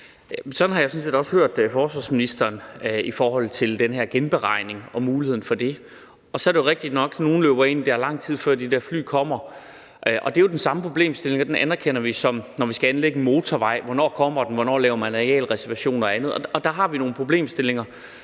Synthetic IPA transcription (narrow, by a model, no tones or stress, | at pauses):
jæsɒ̽nhɑ̈jasɒ̽n̩se̝̰ːd̥ɒ̽shøɐ̰d̥fɒːsʋɑ̰̈ːsminisd̥ɐːnifɒːhɒ̽l̰t͡sʰe̝ld̥enɦæɐ̰ɡ̥enb̥e̝ʁɑ̈ɪ̰ne̝ŋɒ̽muːlihe̝̰n̩fɒ̽d̥e̝ | ɒ̽sɒ̽æɐɾejo̝ʁeɡ̥̚d̥id̥nɒ̽ɡ̥no̝ːn̩løːb̥ɐe̝nid̥æɐlɑ̈ŋ̰t͡sʰið̞̰ˠfɶ̰ɐ̰d̥id̥æɐfly̰ːkʰɒ̽m̰ɐ | ʔʔɒ̽d̥e̝jo̝d̥ensɑ̈məpʰʁo̝b̥le̝̰ːmsd̥e̝le̝ŋɐd̥enʔænɐkʰen̰ɐʋisɒ̽mnɒʋisɡ̥æænleɡ̥ən̩mo̝ːt͡sʰɒʋɑ̈ɪ̰ʋɒnɒ̰ːkʰɒ̽m̰ɐd̥enʋɒnɒ̰ːlɛːʊɐmænʁɛɛ̰ːlʁɛsæɐʋæɕo̝̰ːnɒ̽ænð̞ˠɒɒ̽d̥ɑ̈ɦɑ̈ʋino̝ːn̩pʰʁo̝b̥le̝̰ːmsd̥e̝le̝ŋɐ